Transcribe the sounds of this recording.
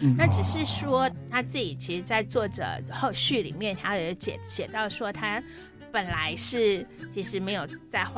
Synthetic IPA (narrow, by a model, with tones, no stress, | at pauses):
na˥˩ʈ͡ʂɻ̩˨˩ʂɻ̩˥˩ʂwɔ˥t̪ʰa˥t͡sɹ̩˥˩i˨˩t͡ɕʰi˧˥ʂɻ̩˧˥t͡sa˥˧ɪt͡swɔ˥˩ʈ͡ʂɤ̰˨˩xo˥˧ʊɕy˥˩lḭ˨˩mjɛ˥˩nt̪ʰa˥˨˧t͡ɕjɛ̰˨˩ɕjɛ˨˩t̪ɑ˥˩ʊʂwɔ˥t̪ʰa˥ | pə˨˩nla˧˦˥ɪʂɻ̩˥˩t͡ɕʰi˧˥ʂɻ̩˧˥me˧˥ɪjo˨˩ʊt͡sa˥˧ɪx